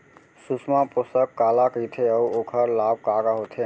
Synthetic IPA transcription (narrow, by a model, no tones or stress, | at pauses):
susmãposəkːalakəjt̪ʰeəwokʰəɾlab̚kaɾaɦot̪ʰe